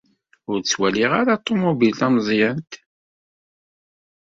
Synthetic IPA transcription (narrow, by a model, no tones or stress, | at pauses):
ʊɾt͡sːwæliʁaɾat̪ˤːomubilt̪æmzˤjænt̪